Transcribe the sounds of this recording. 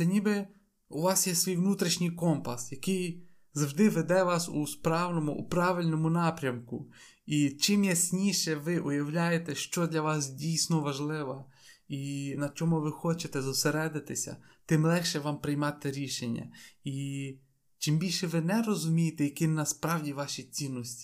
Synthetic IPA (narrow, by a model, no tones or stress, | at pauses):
ɛnʲibɪ | uʋɑsjɛsʋʲijʋnut̪ɾʲɪʃnʲɪjkɔmpɐsjɐkɪj | zɐwʒd̪ɪʋed̪ɛʋɑsuspɾɑwnɔmʊʔṵpɾɑʋɪlʲnɔmʊnɑpɾʲɐmkʊ | it͡ʃɪmjɐsʲnʲiʃɛʋɪʔʊjɐwlʲajet̪ɛʃt͡ʃɔd̪lʲɐʋɑsdʲijsʲnɔʋɐʒlˠɪʋɐinɐt͡ʃɔmʊʋɪxɔt͡ʃet̪ɛzɔseɾɛd̪ɪt̪ɪsʲɐ̰t̪ɪmlˠɛxʃɛʋɑmpɾɪjmɑt̪ɪɾʲiʃenʲːɐ̰i | t͡ʃɪmbʲilʲʃɛʋɪnɛɾɔzʊmʲijet̪ɛjɐkɪnɐspɾɑwdʲiʋɑʃʲit͡sʲinːɔsʲtʲi̥